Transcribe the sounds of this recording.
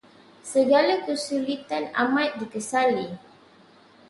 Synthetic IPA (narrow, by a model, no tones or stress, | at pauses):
səɡalakəsulit̪ana̰mãt̪̚dikəsali